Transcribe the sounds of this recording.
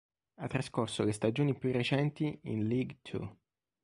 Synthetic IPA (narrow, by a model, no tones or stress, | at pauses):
at̪ːɾaskorsolest̪ad͡ʒoːnipjurːet͡ʃɛnt̪iḭnliɡt̪ʰṵ